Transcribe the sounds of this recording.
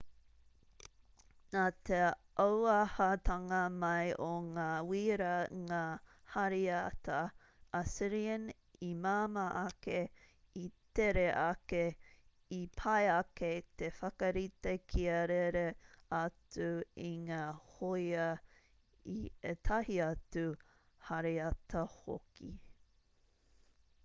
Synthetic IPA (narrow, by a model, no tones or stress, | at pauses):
naːt̪e | ɐwɐhɐt̪ʰɐŋɐmɐjʔoŋaːwiːɾɐŋaːhɐɾiatɐ | ʔɐsiɾiən | imaːmɐʔɐke | it̪eɾeʔɐke | ipʰɐjɐket̪efɐkɐɾit̪ekʰiɐɾeɾeɐt͡suiŋaːhojɐ | iet̪ʰɐhiɐtu | hɐɾeɐtʰɐho̰kʰḭ